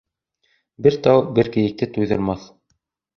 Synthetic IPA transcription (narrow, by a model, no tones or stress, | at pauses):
bɘɾt̪ɑwbɘɾkɘ̆jɘ̆k̚t̪ɘt̪ujðɤ̆ɾmɑθ